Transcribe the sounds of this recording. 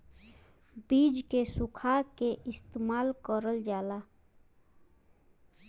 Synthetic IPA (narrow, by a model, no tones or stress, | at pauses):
biːd͡ʒkesʊkʰakeʔɪst̪emaːlkəɾəld͡ʒaːla